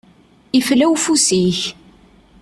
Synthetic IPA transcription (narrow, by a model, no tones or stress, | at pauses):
iflæwfusiç